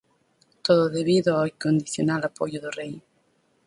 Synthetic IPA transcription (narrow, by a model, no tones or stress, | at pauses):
t̪oðʊðeβiðʊawikond̪iθjo̰nalapojʊðʊrej